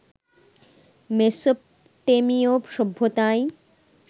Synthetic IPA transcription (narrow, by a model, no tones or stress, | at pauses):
mesop | ʈemiopʃɔbʱːot̪aj